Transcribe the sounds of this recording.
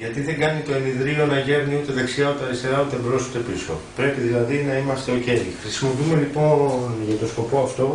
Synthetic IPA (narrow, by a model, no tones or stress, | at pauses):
ʝɐt̪iðe̞ŋɡɐnit̪o̞eniðɾilo̞nɐʝe̞vniut̪e̞ðeksiɐut̪eɐɾist̪eɾɐut̪e̞bɾo̞sut̪e̞piso̞̰pɾe̞piðilɐðinɐimɐst̪e̞oce̞ɾḭxɾisimo̞piume̞lipo̞nʝɐt̪o̞sko̞po̞ɐft̪o̞